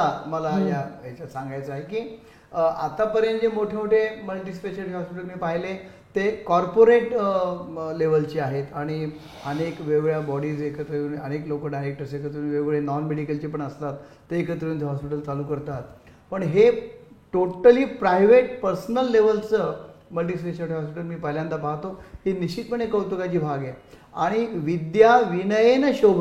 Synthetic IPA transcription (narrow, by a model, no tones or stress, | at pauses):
aməlajaɦet͡ɕasãŋɡajt͡səaɦekiː | at̪apəɾjənd͡ʑemoʈʰemoʈʰeməɭʈ̪iːspeɕəliɦɔspiʈəlnepaɦile | t̪ekɔɾpoɾeʈ | leʋəlt͡ɕiːaɦet̪aɽ̃i | ənekʋeɡɭjabɔɽiːd͡zekʰət̪ɾuːnəneklokəlɖajɾek̚ʈəɾsekʰət̪ɾuːnʋeɡɭenɔnmeɽikəlt͡ɕiːpəɳəst̪at̪ːəekʰət̪ɾuːnt̪eɦɔspiʈəlt͡saluːkəɾt̪at̪̚ | pəɳɦeʈoʈəliːpɾajʋeʈ̚pəɾsnəlːeʋəlt͡səməlʈiːsʈeɕaʈʰɦɔspiʈəlmiːpəɦljãnd̪apaɦt̪oheniɕit̪məɳekəwt̪ukat͡ɕiːbʱaɡjɛ | aɽ̃iʋid̪jaʋiɳəjenəɕobʱ